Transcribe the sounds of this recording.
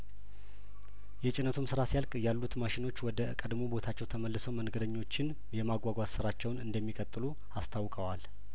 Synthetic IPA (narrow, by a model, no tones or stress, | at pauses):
jɛt͡ʃʼɪnːət̪ʰumsɨɾasijalkʼjalːut̪maʃɪno̞t͡ʃːwɔd̪əkʼəd̪mobo̞t̪ʰat͡ʃːɛwt̪ʰəməlːɨsəwməŋɡəd̪əɲːo̞t͡ʃːɪn | jɛmaɡʷaɡʷat̪sɨɾat͡ʃːɛwnɨnd̪əmːikʼət̪ʼːɨlu | ast̪ʰawkʼəwal